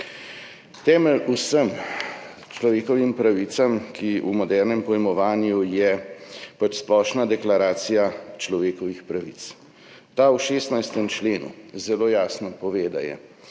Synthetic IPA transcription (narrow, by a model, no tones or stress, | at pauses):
t̪ɛːmɛlusəm | t͡ʃlɔʋeːkɔʋimpɾaʋit̪samkiṵmɔd̪ɛːɾnɛmpɔjmɔʋaːnjujɛpat͡ʃsplɔːʃnad̪ɛklaɾaːt̪sijat͡ʃlɔʋeːkɔʋixpɾaʋit̪s | t̪aːwʃeːst̪najst̪ɛmt͡ʃleːnṵzɛloːjaːsnɔpɔʋeːd̪a̰jɛ̰